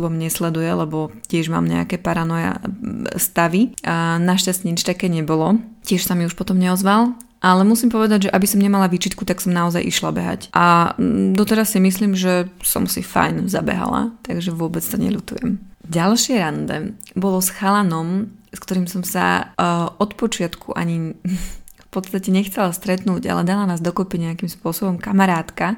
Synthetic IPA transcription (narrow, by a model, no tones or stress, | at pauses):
bɔmɲɛslɛd̪ujɛlɛbɔcɪɛʒma̰ːmɲɛ̰a̰kɛːpaɾanɔja̰st̪aʋinaʃcastɲit͡ʃt̪akɛːɲɛbɔlɔcɪɛʃsamiuʃpɔt̪ɔmɲɛɔzʋal | ʔalɛmusimpɔʋɛd̪aɟʒɛʔabisɔmɲɛmalaʋiːt͡ʃit̪kut̪aksɔmnaɔzajʔḭʃlabɛɦa̰cʔad̪ɔt̪ɛɾasːimisliːmʒɛsɔ̰msḭfa̰jnza̰bɛ̰ɦa̰la̰t̪aɡʒɛʋʊɔbɛt͡st̪ɔɲɛ̰ʎut̪ujɛ̰mɟalʃɪɛɾand̪ɛ̰bɔlɔsxalanɔmskt̪ɔɾiːmsɔmsa̰ʔɔt̪pɔt͡ʃɪat̪kʰṵʔa̰ɲi | fpɔt̪t͡st̪acɛɲɛxt͡sɛlast̪ɾɛt̪nuːɟa̰lɛd̪alanaːzd̪ɔkɔpiɲɛakimspʊɔsɔbɔmkamaɾaːt̪ka